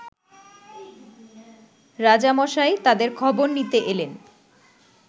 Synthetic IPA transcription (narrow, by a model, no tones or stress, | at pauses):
ɾad͡ʑamɔʃaet̪ad̪eɾkʰɔboɾnit̪eʔelen